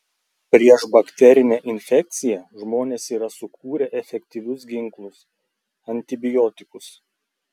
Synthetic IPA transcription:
pʲɾʲiɛʃbɐkʲt̪ʲɛɾʲɪnʲɛʔɪnʲfʲɛk̚ʲt̪sʲɪjɛʒmoːnʲeːsiːɾɐsʊkʰuːɾʲɛʔɛfʲɛkʲt̪ʲiʋʲʊsɡʲɪŋˑklˠʊs | ɐnʲt̪ʲɪbʲɪjɔt̪ʲɪkʊs

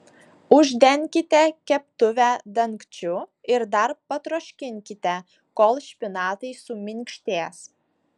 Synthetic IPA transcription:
ʊʒʲd̪ʲɛŋʲkʲɪt̪ʲɛkʲɛp̚t̪ʊʋʲæd̪ɐŋkt͡ʃʲʊɪɾd̪ɐɾpɐt̪ɾoːʃʲkʲɪŋʲkʲɪt̪ʲɛ | kolˠʃʲpʲɪnɑːt̪ɐɪsʊmʲɪŋʲkʲʃʲt̪ʲeːs

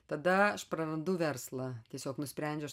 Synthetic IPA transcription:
t̪ɐd̪ɐɐʃpɾɐɾɐnd̪ʊʋʲɛrslˠɐt̪ʲiɛsʲoːknʊsʲpʲɾʲɛnʲd͡ʒʲɛʊɐʃ

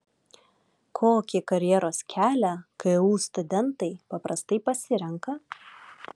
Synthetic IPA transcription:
kʰoːkʲɪkɐɾʲjɛɾoːskʲʰæːlʲækɐɪuːst̪ʊd̪ʲɛnt̪ɐɪpɐpɾɐst̪ɐɪpɐsʲɪɾʲɛŋkɐ

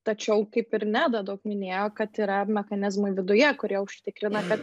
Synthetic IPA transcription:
t̪ɐt͡ʃʲɛʊkɐɪpɪɾnʲæːd̪ɐd̪ɐʊkmʲɪnʲeːjoːkɐt̪iːɾɐmʲɛxɐnʲɪzmoɪʋʲɪd̪ʊjɛkʊɾʲiɛʊʃʲt̪ʲɪkɾʲɪnɐkɐt̪

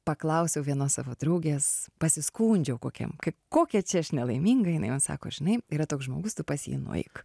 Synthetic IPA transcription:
pɐklˠɐʊsʲɛʊʋʲiɛnoːssɑ̰ːʋoːd̪ɾɐʊɡʲeːspɐsʲɪskuːnʲd͡ʒʲɛʊkoːkʲɛ̰mkɐɪkoːkʲɛt͡ʃʲɛɐʃnʲɛlˠɐɪmʲiŋɡɐjɪnɐɪmoːnsɑ̰ːko̰ːʒʲɪnɐɪiɾɐt̪oːksʒmo̰ːɡʊst̪ʊpɐsʲjḭːnʊ̰ɐ̰ɪk

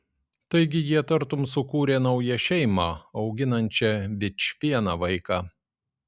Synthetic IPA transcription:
t̪ɐɪɡʲɪjiɛt̪ɐɾt̪ʊmsʊkuːɾʲeːnɐʊjɛʃʲɛɪmɑɐʊɡʲɪnɐnʲt͡ʃʲɛʋʲɪt͡ʃʲʋʲiɛnɑːʋɐɪkɑː

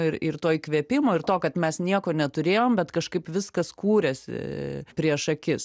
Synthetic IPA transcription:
ɪɾɪɾt̪oːjkʋʲiɛpʲɪmoːɪrt̪oːkɐt̪mʲɛsnʲiɛkoːnʲɛt̪ʊɾʲeːjoːmbʲɛt̪kɐʃkɐɪpʋʲɪskɐskuːɾʲɛsʲɪ̰pʲɾʲiɛʃɐkʲɪs

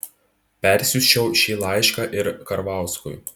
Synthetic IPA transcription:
pʲɛɾʲsʲʊʃʲt͡ʃʲɛʊʃʲiːlˠɑˑɪʃkɑʔɪɾkɐɾʋɑˑʊskʊ̰j

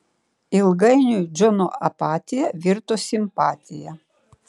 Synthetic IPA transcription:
ɪlˠɡɐɪnʲuːd͡ʒɔnoɐpɑːt̪ʲɪjɛʋʲɪɾt̪oːsʲɪmpɑːt̪ʲɪjɛ

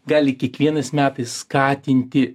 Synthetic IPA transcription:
ɡɑːlʲɪkʲiɛkʋʲiɛnɐsmʲæːt̪ɐsskɑːt̪ʲɪnʲt̪ʲɪ

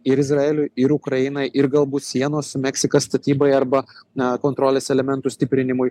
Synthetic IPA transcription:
ɪɾɪzɾɐeːlʲʊɪɾukɾɐɪnɐɪʔɪɾɡɐlˠbuːt̪sʲiɛnoːsmʲɛksʲɪkɐsst̪ɐt̪ʲiːbɐɪɐɾbɐkoːnt̪ɾoːlʲeːsɛlʲɛmʲɛnt̪ʊsʲt̪ʲɪpʲɾʲɪnʲɪmʊj

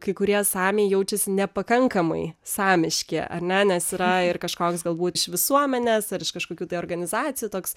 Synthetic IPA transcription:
kɐɪkʊɾʲiɛsɑːmʲeːjjɛʊt͡ʃʲɛsʲɪnʲɛpɐkɐŋkɐmɐ̰ɪsɑːmʲɪʃʲkʲḛʔɐ̰ɾnʲɛnʲɛsiɾɐɪrkɐʃkoːksɡɐlˠbuːt̪ɪʃʋʲɪsuɔmʲɛnʲeːsɐɾɪʃkɐʃkoːkʲuːt̪ɐɪoːrɡɐnʲɪzɑːtt͡s̪ʲɪjuːt̪oːks

